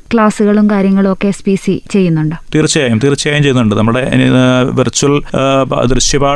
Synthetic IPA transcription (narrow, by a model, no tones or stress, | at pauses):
kɭaːsuɣɐɭumkaːɾjɐŋːɐɭo̞kːe̞spiːsit͡ɕe̞jːunːuɳɖɨt̪iːrɨt͡ɕːɐjaːjumt̪iːrɨt͡ɕːɐjaːjumt͡ɕejːunːuɳɖɨnɐmːɨɽe̞ʋirt͡ɕːuɐlɐ̰d̪rɨɕjɐbaː